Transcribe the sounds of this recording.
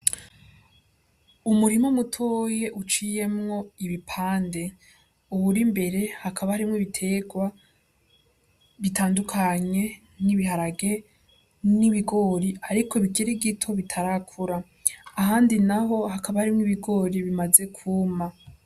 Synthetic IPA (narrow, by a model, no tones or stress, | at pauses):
umuɾimomutʰoje̞ʔut͡ʃije̞mŋo̞iβipʰaːnde̞ | uβuɾimbe̞ɾe̞hakʰaβahaɾimŋiβitʰe̞ɡwa | βitʰaːndukʰaɲe̞ | niβihaɾaɡe̞ | niβiɡo̞ːɾiaɾikʰo̞βiɡiɾiɡitʰo̞βitʰaɾakʰuɾaː | ɦaːndinaɦo̞hakʰaβahaɾimŋiβiɡo̞ɾiβimaze̞kʰuːma